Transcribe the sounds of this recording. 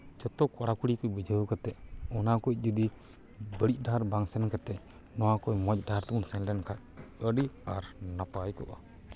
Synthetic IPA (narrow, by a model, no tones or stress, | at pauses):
d͡ʒɔt̪ɔkɔɽakuɽikubəd͡ʒəkat̪ɛʔɔnakuc̚ˀd͡ʒud̪i | bəɽic̚ˀdaɾbaŋsɛnkat̪ɛ | nɔwakɔjmɔc̚ˀdaɾt̪uunsɛnlɛnkʰaʔ | əɖiaɾnapajkɔʔa